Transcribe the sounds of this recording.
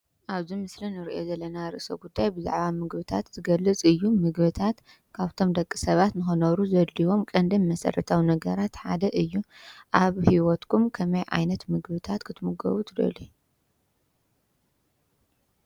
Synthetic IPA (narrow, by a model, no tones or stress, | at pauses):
ʔaβzimɨslinɨɾiʔo̞zɐlːɐnaɾɨ̰ʔso̰ɡud̪ːajbɨza̰ʕβamɨɡβɨt̪ʰat̪zɨɡɐlːɨt͡sʼɨjːumɨɡβɨt̪ʰat̪ | kʰaβt̪ʰo̞md̪ɐkʼːisɐβat̪nɨxonɐβɾuzɐd̪liwo̞mkʼɐnd̪ɨnmɐsɐ̰ɾɐt̪ʰawinɐɡɐɾat̪ħa̰d̪ɐʔɨjːuʔaβhiwɔt̪kʰumkʰɐmɐjʕa̰jnɐt̪mɨɡβɨt̪ʰat̪kʰɨt̪muɡɐ̰βut̪ʰɨd̪ɐ̰li